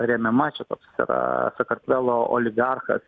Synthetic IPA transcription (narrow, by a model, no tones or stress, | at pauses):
ɾʲɛmʲɛmɐt͡ʃʲɛt̪oːksɪ̰ɾɐ̰sɐkɐɾʲt̪ʲʋʲɛlˠoo̰lʲɪɡɑrxɐ̰s